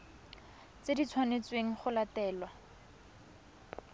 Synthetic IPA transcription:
t͡sedit͡sʰwanet͡sweŋ̩χʊlatɛːlwa

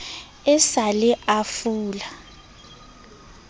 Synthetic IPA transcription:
ɛsalɛʔafuːla

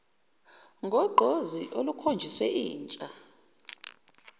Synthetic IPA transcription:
ŋɡʱɔɡ͡ǃʱoziʔolukʰond͡ʒʱiswɛiːnt͡ʃʼa

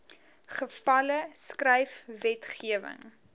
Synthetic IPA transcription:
χəfɐləskrɛjfvɛtχiəvə̰ŋ

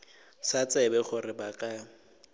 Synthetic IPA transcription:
sat͡sʼɛbɛχʊrɪbakʼa

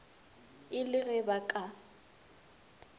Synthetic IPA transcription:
ɪlɪɣɛbakʼa

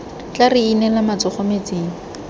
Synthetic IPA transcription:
t͡ɬarɪinɛlamat͡sɔχɔmet͡seːŋ̩

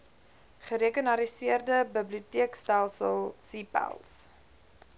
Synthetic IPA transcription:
χəɾekənɐɾisiərdəbəbliutiəkstælˠsəlˠsiːpæ̰lˠs

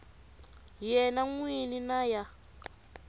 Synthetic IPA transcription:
jɛnaŋwininaja

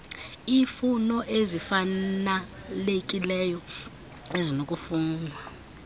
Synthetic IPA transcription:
iːfunɔʔezifanalekʼilɛːjɔ | ezinokʼufuːnwa

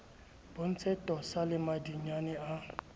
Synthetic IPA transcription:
b̥on̩t͡sʰɛtɔsalɪmadiɲanɪʔa

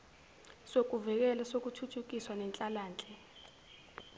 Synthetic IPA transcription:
sok̬ʼuvɛk̬ɛlasok̬utʰutʰuk̬iswanɛnt͡ɬʼalaːnt͡ɬʼɛ

